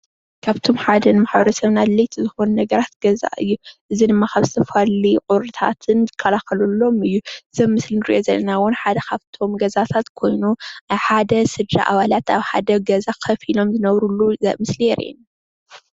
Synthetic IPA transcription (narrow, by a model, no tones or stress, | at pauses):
kʰaβt̪ʰo̞mħad̪ɐnɨmaħbɐɾɐsɐβnad̪lɐjt̪ʰizɨxo̞nunɐɡɐɾat̪ɡ̥ɐza̰ʔɨ̰jːuʔɨzidɨmːakaβzɨt̪ʰɐfaliqʼʊɾɨt̪ʰa̰t̪ʰɨnzɨkʰːɐlaxɐlulːo̞mɨjːuz̥ɐβmːɨslinɨɾḭʔo̞zɐlːɐnawʊnħad̪ɐkʰaβt̪ʰo̞mɡɐzat̪ʰat̪kʰo̞jnuʔajħad̪ɐsɨd̪ɾa̰ʔaβalat̪aβħad̪ɐɡɐzakʰɐfilo̞mzɨnɐβɾulːuzɐ̰mɨslijɛɾʔḛn